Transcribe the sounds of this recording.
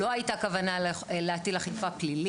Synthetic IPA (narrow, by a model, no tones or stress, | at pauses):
o̞ajitakavanalleatidlaχifaplili